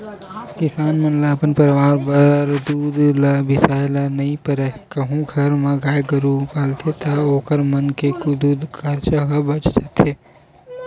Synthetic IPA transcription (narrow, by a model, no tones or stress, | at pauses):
kɪsaːnmɐnlaːpənpɐɾʋaːɾbɐɾd̪uːd̪labɪsaːjlanɐɦĩpɐɾɛkɐɦũɡʱɐɾmãɡaːjɡɐɾukaːlt̪ʰet̪ʰaoːkəɾmɐnkekod̪uːd̪kʰɐɾt͡ʃaɦɐbɐt͡ʃd͡ʒɐt̪ʰeː